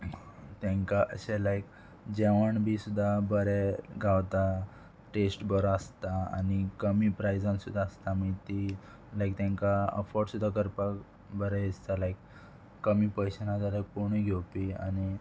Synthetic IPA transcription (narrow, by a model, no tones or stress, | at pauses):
t̪ãŋkaʔə̰ɕelajk | d͡ʑeʋəɳbʱisud̪ʱːabəɾɛɡʱawt̪a | ʈesʈbəɾəst̪aa̰nikəmiːpɾajd͡zãnsud̪ʱːaːst̪aməit̪i | lajk̚t̪ãŋkaə̰fɔɾɖsud̪ʱːakəɾpak | bəɾɛest̪alajkː | əmipəjɕənad͡zalajk̚poɽ̃iɡʱewpia̰ni